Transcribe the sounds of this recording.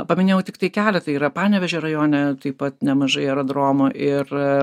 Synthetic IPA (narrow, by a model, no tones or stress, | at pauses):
pɐmʲɪnʲeːjɛʊt̪ʲɪkt̪ɐɪkʲæːlʲɛt̪ɐiːɾɐpɑːnʲɛʋʲɛʒʲɛɾɐjoːnʲɛt̪ɐɪppɐt̪nʲɛmɐʒɐɪɛɾod̪ɾoːmʊʔɪr